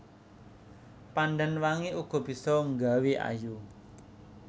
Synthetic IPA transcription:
panɖənwaŋeuɡ̥ɔ̤b̥i̤sɔŋɡaweʔa̰ju

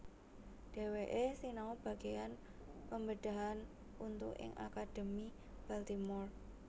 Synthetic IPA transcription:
ɖ̥e̤weʔesinaub̥a̤ɡ̥ejan | pəmbəd̥a̤ɦan | unt̪ʊkɪ̰ŋʔa̰kad̥əmi | b̥alt̪imɔr

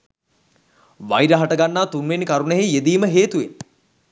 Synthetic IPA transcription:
ʋajɾəɦaʈəɡanːaːt̪unʋenkaɾunəɦejed̪iːməɦeːt̪uʋen

